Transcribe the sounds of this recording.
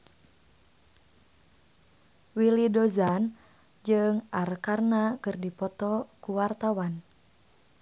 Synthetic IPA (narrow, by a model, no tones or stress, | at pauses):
wilidɔzan | d͡ʒɨŋʔarkarnakɨrdipɔt̪ɔkuwart̪awan